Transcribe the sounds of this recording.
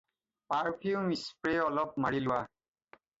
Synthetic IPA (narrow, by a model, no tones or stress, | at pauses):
paɹpʰjumispɹeɔlɔp̚maɹilʊwa